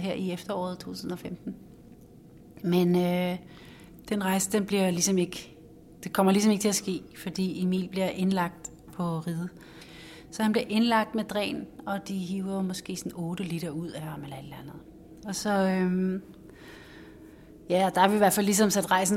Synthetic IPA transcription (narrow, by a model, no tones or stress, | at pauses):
ɦeɐ̰iefd̥ɐɒ̰ːðˠt͡sʰo̝̰ːt͡sʰṵsn̩ɒ̽femd̥n̩ | menø | d̥enʁɑ̈ɪsəd̥enb̥liɐlisɒ̽me̝ɡ̥ | d̥e̝kʰɒ̽m̰ɐlisɒ̽me̝ɡ̥ət͡sʰe̝æsɡ̥e̝̰ːfɒ̽d̥ḭːimḭːlb̥liɐʔe̝nlɑ̈ɡ̥̚d̥ | pʰɒ̽ʁiðˠə | sɒ̽hænb̥liɐʔe̝nlɑ̈ɡ̥̚d̥med̥ʁɛ̰ːnɒ̽d̥iɦiːʊɐmɒ̽sɡ̥e̝̰ːsɒnɔːɾ̥əliɾ̥ɐuð̞̰ˠæɑ̈melɐel̥ænð̩ˠ | ɒ̽sɒ̽øm | jæɒd̥ɑ̈æʋiʋæɐfælːis̬ɒ̽msæd̥ʁɑ̈ɪsn̩